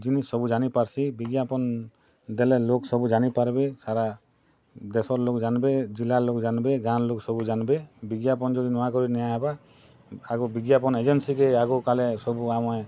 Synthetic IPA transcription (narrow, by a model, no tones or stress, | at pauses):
d͡ʒinisːɔbud͡ʒanipaɾsibiɡijapɔn | d̪ɛlɛloksɔbud͡ʒanipaɾbɛsaɾa | d̪ɛsɔɾlok̚d͡ʒanbɛd͡ʒilalok̚d͡ʒanbɛɡanloksɔbud͡ʒanbɛbiɡjapɔnd͡ʒɔd̪inɔwakɔɾinɛjaaba | aɡɔbiɡjapɔnɛd͡ʒɛnsikɛaɡɔkalɛsɔbuamɔj